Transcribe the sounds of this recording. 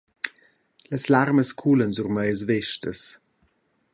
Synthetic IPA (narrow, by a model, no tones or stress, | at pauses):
ləslarməskʰulənzurməjəs̬vɛʃtəs